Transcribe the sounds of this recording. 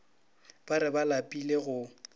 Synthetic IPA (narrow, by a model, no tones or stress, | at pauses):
b̥aɾɪbalapʼileɣʊ